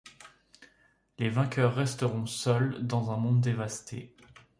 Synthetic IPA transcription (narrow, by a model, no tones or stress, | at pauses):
levɛ̃kʲœʁːɛst̪əʁɔ̃sœld̪ɑ̃zɛ̃mɔ̃d̪ːevast̪ʰe